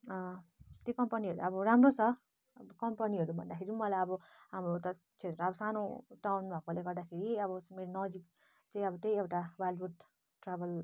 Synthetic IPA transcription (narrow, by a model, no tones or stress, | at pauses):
ʌt̪jekʌmpʌniɦʌɾuʌbʌɾamrot͡sʰʌ | kʌmpʌniɦʌɾubʱʌnd̪akʰeɾimʌlajʌbʌɦamrot̪ʌ | t͡sʰet̪ɾʌʌbʌsanoʈawnbʱʌkoleɡʌrd̪akʰeɾiʌbʌmeɾonʌd͡zik̚ | t͡saĩʌbʌt̪ejewʈawalbut̪ | ʈrabʱʌl